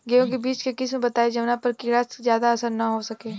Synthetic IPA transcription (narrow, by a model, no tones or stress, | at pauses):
ɡejõkebiːt͡ʃkekɪsmẽbɐt̪aːed͡ʒɐʋnapɐɾkɪɾaːsizjaːd̪aɐsəɾnɐɦosɐkeː